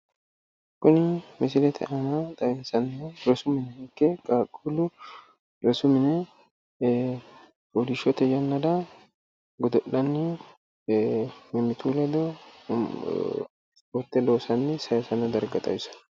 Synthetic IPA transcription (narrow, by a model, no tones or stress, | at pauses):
kʊnɪmɪsɪlɛt̪ʰɛ̰ʔɐnɐt̪ʼɐɛnsɐnːɾɔsʊmɪnɛhɪŋkːɛkʼaːkʼːulʊ | ɾɔsʊmɪnɛ | bod̪ɪʃɔt̪ɛjɐnːɐd̪ɐ | ɡɔd̪ɔʔːɐnːɪ | mɛmːɪt̪uːlɐd̪ɔ | ɔt̪ːɛloːsɐnːɛsɐjɐsɐnɐd̪ɐɾɡɐt̪ʼɐ̰jɪsɐ̥